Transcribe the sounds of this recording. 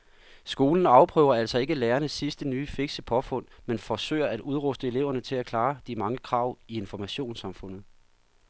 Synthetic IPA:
sɡ̥o̝ːln̩ɑ̈ʊpʰʁœ̰ːʊ̰ɐæl̰sɒ̽e̝ɡ̥əleːɐnəsisd̥ənyːfeɡ̥səpʰɒ̽fɔ̽n̰menfɒsø̰ːɐæd̥uð̞ˠʁɔsd̥əe̝le̝ʊ̰ɐnət͡sʰe̝lækʰlɑ̈ːd̥imɑ̈ŋəkʰʁɑ̈ʊ̰ie̝nfɒmæɕo̝̰ːnsɑ̈mfɔ̽n̰ð̩ˠ

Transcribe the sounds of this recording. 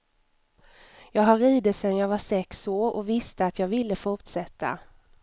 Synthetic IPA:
jɑːɡɦaɾiːd̪ət̪sɛnjɑːɡvaʂɛksoːɾɔ̰vɪst̪əat̪ʰjɑːɡvɪlːəfʊʈʂɛt̪ʰːa̰

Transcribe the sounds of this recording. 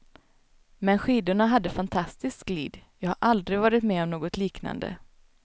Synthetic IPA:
mɛnɧiːd̪ʊɳaɦad̪ːəfant̪ʰast̪ɪskɡlḭːd̪jɑːɡhaɾʔald̪ɾɪɡvɑːɾɪt̪mɛːɔmnoːɡɔt̪liːkna̰nd̪ə̰

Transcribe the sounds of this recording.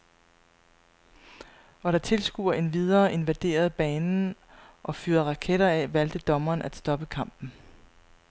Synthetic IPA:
ʔɒ̽ɾ̥ɑ̈t͡sʰe̝lsɡ̥ṵːɐe̝nʋið̞ˠɐːʔe̝nʋæd̥e̝̰ːɐð̞ˠb̥ɛːnn̩ʔɒ̽fyːɐʁɑ̈kʰeɾɐɛʋæl̰d̥əd̥ɒ̽mɐːnʔæd̥sd̥ɒ̽b̥əkʰɑ̈m̰b̥n̩

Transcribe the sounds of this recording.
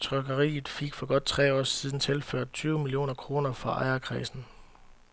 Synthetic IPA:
t͡sʰʁœɡ̥ɐʁḭːð̩ˠfiɡ̥fɒ̽ɡ̥ɒ̽d̥̚t͡sʰʁɛ̰ːɒ̰ːsiːð̞ˠn̩t͡sʰe̝lføɐ̰d̥̚t͡sʰyːʊmilio̝̰ːnɐkʰʁo̝ːnɐfɒʔɑ̈ɪɐkʰʁḭːsn̩

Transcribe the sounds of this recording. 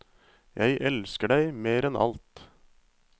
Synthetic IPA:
jʔæɪʔɛlskəɖæɪmeːɾɛnʔɑ̰lt̪

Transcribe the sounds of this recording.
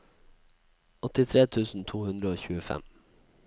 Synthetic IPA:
ɔt̪ɪt̪ʰɾeːt̪ʰʉːsn̩t̪ʰuːhʉnd̪ɾəoːçʉːəfɛ̰m

